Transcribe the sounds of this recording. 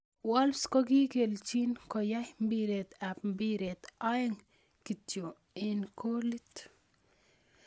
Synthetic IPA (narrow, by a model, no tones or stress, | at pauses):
walskɔkikelt͡ʃinkɔjahmbiɾet̪apmbiɾet̪ajŋ | kitjo | inkʰolit̪